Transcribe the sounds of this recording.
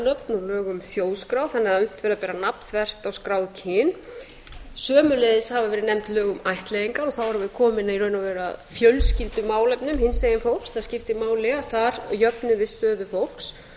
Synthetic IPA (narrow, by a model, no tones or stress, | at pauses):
nœpnʏlœːɣʏmθjoːwskɾawθanːɛaʏn̥t̪vɛɾapɛːɾanap̪θvɛr̥t̪awskɾaːwðcʰɪːn | sœːmʏlejðɪshavavɛːɾɪnɛm̥t̪lœːɣʏmajht̪lejðiŋkaɾɔθawvaɾʏmvɪðkʰɔːmɪniɾœːɥnavɛːɾa̰ðfjœlscɪlt̪ʏmaːwlɛpnʏmhɪnseːjɪnfowl̥ksθaðscɪft̪ɪmaːwlɪɣaθaɾjœpnʏvɪðst̪œːðʏfowl̥ks